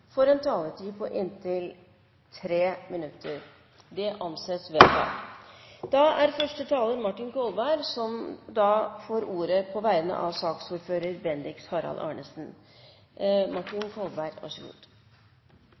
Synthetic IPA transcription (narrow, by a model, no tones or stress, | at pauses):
fɔɾɛːnt̪ʰɑːlət̪ʰiːpʰɔʔɪnt̪ʰɪl | t̪ʰɾeːmɪnʉt̪ʰːəɾ | d̪ɛʔɑnseːsʋɛd̪ɑ̰ | d̪̥ɑæɾfœʂʈət̪ʰɑːlənmɑʈːɪnkʰɔlbæɪɾsɔmd̪ɑfoːɾuːɾəpʰɔʋæɪənə̰ʔɑʋsɑːksuːɾføːɾəɾbɛnd̪ɪkshɑɾɑ̰lʔɑ̰ːɳəsn̩ | mɑʈɪnkʰɔlbæɾɑ̰ʂəɡṵːd̪̥